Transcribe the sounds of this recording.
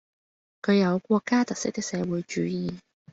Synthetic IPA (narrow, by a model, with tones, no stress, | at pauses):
kʰɵ˨˧jɐ˨˧wkʷɔː˧kːaː˥t̪ɐ˨k̚sɪ˥k̚t̪ɪ˥k̚sɛː˨˧wuː˨˥jt͡ʃyː˨˥jiː˨˧